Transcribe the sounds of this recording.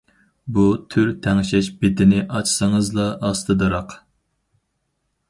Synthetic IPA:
but̪ʰyɾt̪ʰɛŋʃɛʃbɪd̪ɪnɪʔɑt͡ʃʰsɨŋəzlˠɑʔːst̪ɨd̪ɨɾɑq

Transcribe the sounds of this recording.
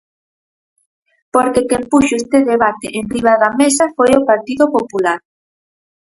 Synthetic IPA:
poɾkekempuʃoest̪eðeβat̪eʔenrriβaðamesafojopaɾt̪iðopopulaɾ

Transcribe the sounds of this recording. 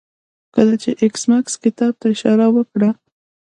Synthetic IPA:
kəlat͡ʃeʔɪksmakskɪt̪ɑb̚t̪aɪʃɑɾawəkɽa

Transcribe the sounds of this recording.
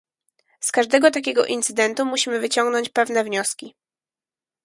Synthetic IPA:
skaʐd̪ɛɡɔt̪akʲɛɡɔʔint̪sɘd̪ɛnt̪umuɕimɘvɘt͡ɕɔŋɡnɔɲt͡ɕpɛvnɛvɲɔskʲi

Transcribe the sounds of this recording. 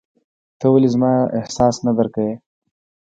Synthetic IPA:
t̪əwalizmɑːɪ̰hsɑːsnad̪aɾkawe

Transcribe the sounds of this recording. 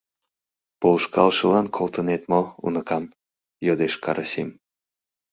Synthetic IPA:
polʃkɑlʃəlɑnkʰolˠt̪ənet̪moṵnəkɑm | jod̪eʃkʰɑ̰ɾʔəsim

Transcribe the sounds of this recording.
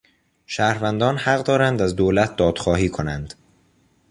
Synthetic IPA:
ʃæːɾvænd̪ɒːnhæɢd̪ɒːɾænd̪æzd̪olæt̪̚ʰd̪ɒːd̪̥xɒːɦiːkʰonænd̪̥

